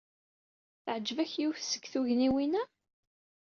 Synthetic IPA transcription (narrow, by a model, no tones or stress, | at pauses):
θʕəd͡ʒːəvæçjuθsə̥kːθuʝniwinæ